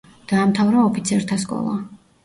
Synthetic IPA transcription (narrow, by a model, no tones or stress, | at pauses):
d̪̥aːmt̪ʰavɾaɔpʰit̪sʰɛɾt̪ʰaskʼɔ̰lˠa̰